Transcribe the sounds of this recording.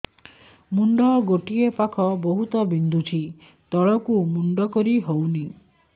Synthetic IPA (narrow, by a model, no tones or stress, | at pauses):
muɳɖɔɡoʈiepakʰɔboɦut̪ɔbind̪ʱut͡ʃʰi | t̪ɔɭɔkumuɳɖɔkɔɾiɦowni